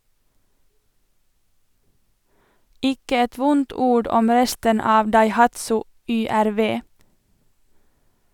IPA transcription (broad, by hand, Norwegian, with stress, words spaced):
ˈɪkə ˈɛt ˈʋʊnt ˈuːɽ ˈɔm ˈɾɛstən ˈɑːʋ dɑɪˈhɑtsʊ ˌʏˌæɾˈʋeː